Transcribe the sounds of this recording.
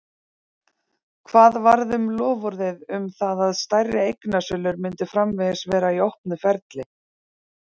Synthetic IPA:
kʰvaːðvaɾðʏmlɔːvʏɾðɪðʏmθaðaðst̪ajrːɪejknasʏlʏɾmɪnt̪ɪfɾamvɛsvɛːɾaiowhpnʏfɛɾt̪lɪ

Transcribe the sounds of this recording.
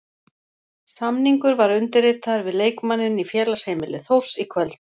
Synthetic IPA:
samniŋkʏɾvaɾʏnt̪ʏɾɪːt̪aɾvɪðleːjkmanːɪnifjɛːlashejmɪlɪθowsikʰvɛlt̪

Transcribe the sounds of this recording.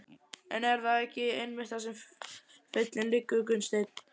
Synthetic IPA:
ɛnɛɾθaðɛhcɪejnmɪ̥t̪asɛm | fɪt̪lɪnlɪkːʏkʏnst̪ejt̪n

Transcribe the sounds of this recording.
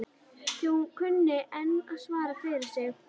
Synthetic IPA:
θɛhunkʰʏnːɪʔɛnːaðsvaːɾafɪɾɪɾ̥sjɛx

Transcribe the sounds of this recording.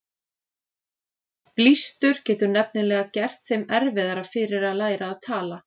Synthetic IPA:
plist̪ʏɾ̥cɛːt̪ʏnɛp̚nɪlɛːɣacɛr̥t̪θejmɛɾvɛðaɾafɪːɾɪɾaðlaːjɾaːðt̪ʰaːla

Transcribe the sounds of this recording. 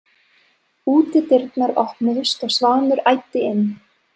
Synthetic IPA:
uːt̪ɪt̪ɪɾt̪naɾɔhpnɪðʏst̪asvaːnʏɾajt̪ːɪɪnː

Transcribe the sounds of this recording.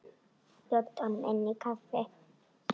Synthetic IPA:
d̪̥ɔt̪ʼːɔnmɛnːɪkɐfːɛ

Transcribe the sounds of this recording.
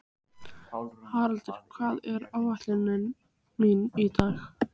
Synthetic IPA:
haːɾalt̪ʏɾ̥kʰvaːðɛɾawat̪lɪnɪn | minit̪aːx

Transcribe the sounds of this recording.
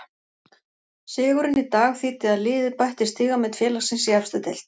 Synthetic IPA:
sɪːɣʏɾɪnit̪aːɣθiːt̪ɪðaðlɪːðɪpajht̪ɪst̪iːɣamɛt̪fjɛːlasɪnsiafst̪ʏt̪ɛl̥t̪

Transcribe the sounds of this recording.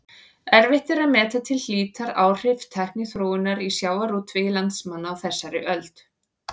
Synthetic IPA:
ɛɾvɪht̪ɪɾaðmɛːt̪at̪ʰɪlliːt̪aɾaːwr̥ɪvt̪ʰɛhknɪθɾoːɪnaɾisjaːwvaɾut̪ʰvɪːjɪlant̪smanːaːwθɛsːaɾɪʔœlt̪

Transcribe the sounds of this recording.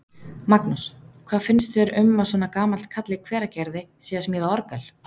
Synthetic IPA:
maknuskʰv̥aːðfɪnst̪fɛɾʏmːasɔːnakaːmal̥t̪̚kʰat̪lɪkʰv̥ɛːɾacɛɾðɪsiːasmiːðaɔɾkal̥

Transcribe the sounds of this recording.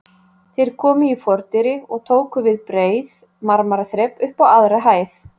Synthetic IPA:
θejɾ̥kʰɔːmʏifɔɾt̪ɪɾɪɔɣt̪ʰoːwkʏvɪðpɾeːjð | maɾmaɾaθɾɛpʏhpawaðɾaɦaːjθ

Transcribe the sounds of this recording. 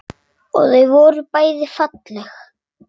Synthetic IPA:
ɔ̰ɣθœɥvɔːɾʏpaːjðɪfat̪lɛx

